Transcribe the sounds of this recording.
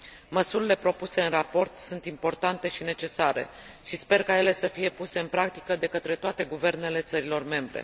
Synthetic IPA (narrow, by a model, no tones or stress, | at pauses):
məsuɾile̞pɾo̞puse̞ɨnrapo̞rt̪sunt̪impo̞rt̪ant̪e̞ʃine̞t͡ʃe̞saɾḛ | ʃispe̞rkaje̞le̞səfije̞puse̞ɨnpɾak̚t̪i̥kəd̪e̞kət̪ɾe̞t̪oat̪e̞ɡuve̞rne̞le̞t̪səɾilo̞rme̞mbɾe̞̰